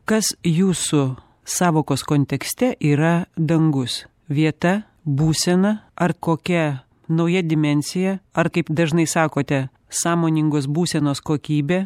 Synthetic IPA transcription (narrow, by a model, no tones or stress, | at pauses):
kɐsjuːsʊ | sɑːʋoːkoːskoːnʲt̪ʲɛksʲt̪ʲɛʔiːɾɐd̪ɐŋɡʊs | ʋʲiɛt̪ɐ | buːsʲɛnɐɐɾkoːkʲɛ | nɐʊjɛd̪ʲɪmʲɛnʲsʲɪjɛɐɾkɐɪpd̪ɐʒnɐɪsɑːkoːt̪ʲɛ | sɑːmoːnʲɪŋɡoːs̬buːsʲɛnoːskoːkʲiːbʲeː